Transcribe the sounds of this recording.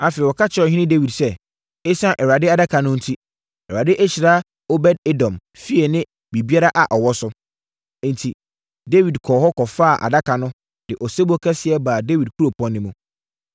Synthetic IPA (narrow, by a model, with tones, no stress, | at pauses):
a˨fɛ˨wɔ˨kʰa˦t͡ɕʰɪ˦ɔ˨ɦɪ̃˦nɪ̃˦de˦wi˨dsɛ˦ | e˦sã˦ʔɛ˨wa˨dɪ˦a˦da˦kʰa˨nʊ̃˦n̩˦tʰi˦ | ɛ˨a˨dɪ˦ʔɛ˦ɕɪ˨ɾa˦ | o˦bɛ˦d̚e˦dɔ̃˨m | fi˦ɛ˨nɪ̃˦ | bi˨bi˦a˦ɾa˦ʔa˨ʔɔ˨wɔ˦sʊ̃˦ | n̩˨tʰi˨ | de˦wi˨dkʰɔː˨ɦɔ˦kʰɔ˨fa˦a˨ʔa̰˨da˦kʰa˨nʊ̃˦ | d̥ɪ˨ʔɔ˨se˦bɔ˦kʰɛ˦sɪ˨ɛ˦baː˨de˦wi˨d̚kʰu˦ɾo˨pʰɔ̃˦nːɪ̃˦mũ˦